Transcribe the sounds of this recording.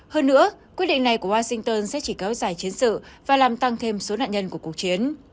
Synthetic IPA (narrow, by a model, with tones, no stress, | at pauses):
həː˧nːɨ̰˧˥əkwi˦˥ət̚ɗḭ˧˨ŋna˨˩jku˧˩əwaː˧sï˧ŋt̪əː˧nsɛ̰˧˥t͡ɕi˧˩kɛ˨˦wzaː˧˩jt͡ɕi˨˦ənsɨ̰˧˨vaː˨˩laː˨˩mt̪a˧ŋt̪ʰe˧mso˨˦na̰ː˧˨nɲə˧nku˧˩əku˨˩ək̚t͡ɕi˨˦ən